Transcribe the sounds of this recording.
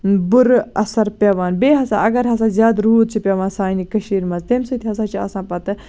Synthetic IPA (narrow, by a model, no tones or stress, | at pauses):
bʊɾɐsɐɾpʲeːʋaːnbeːɦɐsa̰ːʔɐɡɐɾɦɐsãːzjaːd̪ɾuːd̪̚t͡ʃʰipʲeʋãːnsaːnikɐʃiːɾmɐzt̪eːmsut̪ʰiɦɐsãːt͡ʃʰiɐ̰sãːpɐt̪ɨ